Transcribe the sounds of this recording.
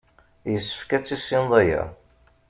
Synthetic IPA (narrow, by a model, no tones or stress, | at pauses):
jəsːə̥fkæt͡sːisinðˤæjæ̰